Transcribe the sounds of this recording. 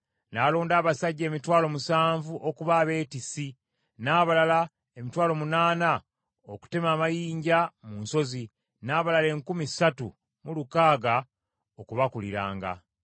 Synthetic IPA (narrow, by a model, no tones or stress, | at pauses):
naːlo̞ːndaːβasaɟːe̞ːmitwaːlo̞musaːɱvuʔokuβaːβe̞ːtisi | naːβalala | emitwaːlo̞munaːna | oku̥temaːmajiːɲɟamunso̞zi | naːβalale̞ːŋkumisatṵ | mulukaːɡa | okuβakulḭɾa̰ːŋɡa̰